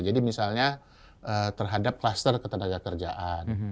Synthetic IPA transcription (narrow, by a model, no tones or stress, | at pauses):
d͡ʒadimisalɲa | ʔət̪ərɦadap̚klast̪ərkət̪ənaɡakərd͡ʒa̰ʔan